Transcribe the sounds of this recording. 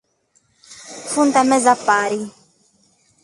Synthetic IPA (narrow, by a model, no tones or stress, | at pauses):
funt̪amɛzapaːɾi